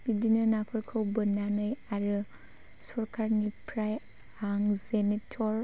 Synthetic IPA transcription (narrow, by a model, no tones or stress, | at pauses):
idinɯnakʰɯɾkʰɯwbɯnanɯjaɾɯ | sɔɾkʰaɾnipʰɾaj | aŋzenetʰɔɾ